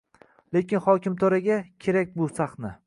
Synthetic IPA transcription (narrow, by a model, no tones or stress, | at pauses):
le̞kʲɪnχɒkʲɪmt̪ʰoɾaɡʲakʲʰeɾak̚ʲbʊsaχnɪ